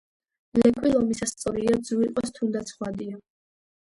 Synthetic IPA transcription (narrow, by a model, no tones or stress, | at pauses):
lɛkʰʼwilˠɔmisast̪sʼɔɾiad̪zuiqʼɔst̪ʰund̪at̪sʰχwad̪ia